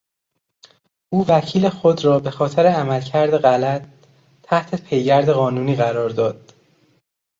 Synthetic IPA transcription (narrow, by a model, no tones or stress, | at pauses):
ʔuːvæcʰiːle̞xod̪rɒːbe̞xɒːt̪ʰeɾeæmælcʰæɾd̪e̞ɣælæt̪ʰː | æht̪ʰe̞pʰe̞jɟæɾd̪e̞ɣɒːnuːniːɣæɾɒːɾd̪ɒːd̪̥